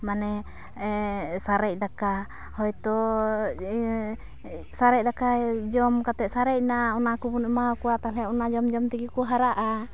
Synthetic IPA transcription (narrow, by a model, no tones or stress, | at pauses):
manɛ | saɾɛc̚ˀd̪aka | hɔjt̪ɔ | saɾɛc̚d̪akad͡ʒɔmkat̪ɛsaɾɛc̚naɔnakubunɔmakɔwat̪alɛʔɔnad͡ʒɔmd͡ʒɔmt̪iɡikɔɦaɾaʔa